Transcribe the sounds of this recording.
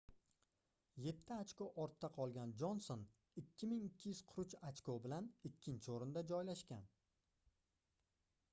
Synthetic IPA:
je̞t̪ʰːɪat͡ʃkoʔɒɾt̪ʰːaqʰɒlˠɡʲand͡ʒonson | ɪkʲʰːɪmɪŋɪkʲʰːɪjyz̥qʰʊɾʊt͡ʃat͡ʃkobɪlanɪkʲːɪnt͡ʃʰɪoɾɪnd̪ad͡ʒɒjlaʃkʲan

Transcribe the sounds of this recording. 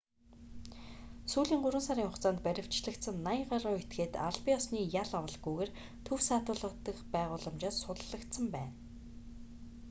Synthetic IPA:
suːɮiːŋɢʊɾwə̆nsaɾiːŋχʊχt͡saːnt̪̚pæɾʲɪ̆w̥t͡ɕɮə̆kt̪sə̆nːaɪɴɢaɾʊːet̪ɡeːt̪a̰ɮpiɔsniːjaɮawə̆ɮɡujweːr | t̪ʰɵwsaːt̪ʊːɮə̆qt̪ə̆kpæːʁʊːɮə̆mt͡ɕaːssʊt̪ə̆ɮə̆kt̪sə̆mpæːn

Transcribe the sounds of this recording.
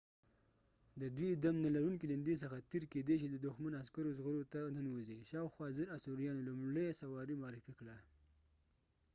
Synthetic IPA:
d̪əd̪wid̪amnalaɾuŋkilɪnd̪es̬əxat̪eɾked̪eʃ̬id̪əd̪ʊxmanaskaɾozɣəɾot̪anənwuziʃɑwxwɑzəɾasuɾijɑnolumɽəjasawɑɾimʊɑɾɪfikɽa

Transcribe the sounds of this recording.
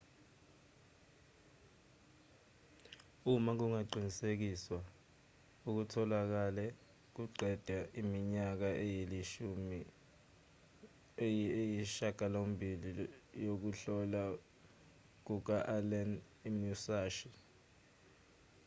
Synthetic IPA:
umak̬uŋaǃʱinisek̬iswa | uk̬utʰɔlak̬alɛ | k̬uǃɛd̥ʱaʔimiɲak̬aʔɛjeliʃumi | jiʃaɡ̥ʱalombʱilijok̬uɬɔla | k̬uk̬aʔalɛn | imusaːʃi

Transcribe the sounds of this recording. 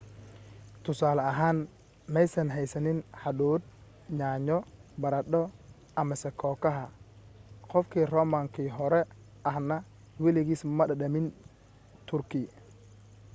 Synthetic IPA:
t̪ʰʊsaːlɐɐɦaːn | mɛjsɐnɦɛjsɐnɪnħɑɗuːd̪̚ | ɲaːɲɔbɐɾɐɗɔ | ʔɐmɐsɛkʰɔːkʰɐɦɐ | qɔfkʰiːrɔːmaːŋkʰiːɦɔɾɛ | ʔɐhnɐ | wɛlɪɣiːsmɐɗɐɗɐmɪn | t̪ʰʊrkʰɪ

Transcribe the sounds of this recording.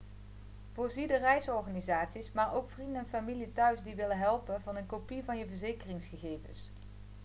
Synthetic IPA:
v̥ʊːɹzidərɛjsɔɹχaːnizaːtsismaːɹowkfrindənɛnfamilitœɥzdiʋɪlənɦɛlˠpənvɑnənkopivɑnjəvəɹzejkərɪŋsχəɣejvə̰ns

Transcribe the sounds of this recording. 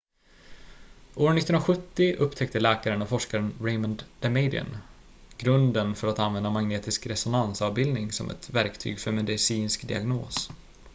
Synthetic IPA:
ʔoːɾnɪt̪ːɾaɧɵt̪ːɪʔɵpːt̪ʰɛk̚t̪əlɛːkaɾənavfɔʂkaɾənɾɛɪmənd̪d̪̥ɛmeɪd̪ɪə̰n | ɡ̥ɾɵnd̪ənfœɾat̪anvɛnd̪amaŋneːt̪ɪskɾɛsʊnansɑvbɪld̪nɪŋsɔ̰mʔɛ̰t̪væɾkt̪ʰy̰ːɡfœɾmɛd̪ɪsiːnskd̪ɪ̰a̰ɡno̰ːs

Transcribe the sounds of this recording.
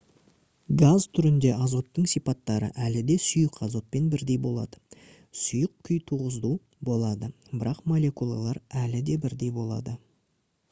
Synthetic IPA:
ɡazt̪ʰʏɾɪnd̪e̞ʔɑzo̞t̪ːəɴsipɑt̪ːɑɾə̰ʔælɪd̪e̞sʊjəqɑzo̞t̪̚pe̞nbɪɾd̪e̞jbo̞lˠɑ̰d̪ə | sʊjəq̚kʲʰːʏjt̪ʰuʁəzd̪u | bo̞lˠɑd̪ə | bɪɾɑqmo̞le̞kulˠa̰lˠɑɾælɪd̪e̞bɪɾd̪e̞jbo̞lˠɑ̰d̪ə

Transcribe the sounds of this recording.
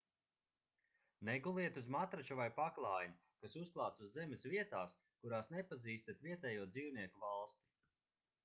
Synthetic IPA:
nɛɡulˠiɛt̪uzmat̪ɾat͡ʃuvajpaklˠaːjnu | kasusklˠaːt̪suzːɛmʲɛsviɛt̪aːs | kuɾaːsnɛpaziːst̪at̪viɛt̪ɛːjuɔd̪ziːwniɛkuvalˠst̪i̥

